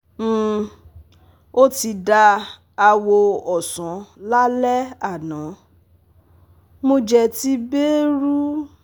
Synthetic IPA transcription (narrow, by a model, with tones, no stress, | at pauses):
o˦ti˧da˧ | a˧wo˧ɔ˨sã˨˦la˦lɛ˦a˦˨nã˨˦ | mõ˦d͡ʒɛ˧ti˦be˦ɾu˦